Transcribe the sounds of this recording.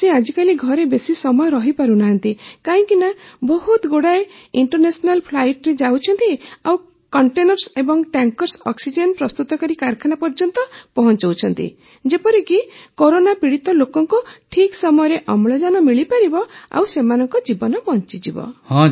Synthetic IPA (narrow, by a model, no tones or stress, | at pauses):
sead͡ʒikaliɡʱɔɾebesisɔmɔjɔɾɔɦipaɾunaɦant̪ikaĩkinabɔɦut̪ɡoɽaeiɳʈɔɾnesɔnalpʰlajʈɾed͡ʒawt͡ʃʰɔnt̪iaw | kɔɳʈenɔɾsebɔŋʈaŋkɔɾsɔksid͡ʒenpɾɔst̪ut̪ɔkaɾikaɾkʰanapɔɾd͡ʒɔnt̪ɔpɔɦɔnt͡ʃɔwt͡ʃʰɔnt̪ḭ | d͡ʒepɔɾikikoɾonapiɽit̪ɔlokɔŋkuʈʰiksɔmɔjɔɾeʔɔmɭɔd͡ʒanɔmiɭipaɾibɔa̰wsemanɔŋkɔd͡ʒibɔnɔpɔɦɔnt͡ʃid͡ʒibɔ̰hɔ̃